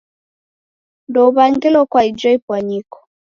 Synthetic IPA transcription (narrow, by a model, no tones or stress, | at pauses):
ndɔβaŋɡɛlɔkwaid͡ʒɔipwaɲikɔ̥